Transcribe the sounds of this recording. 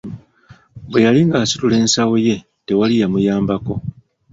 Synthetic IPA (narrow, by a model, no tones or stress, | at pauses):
bwe̞jaliŋɡaːsi̥tule̞ːnsawoje̞ | te̞walijamujaːmbako̞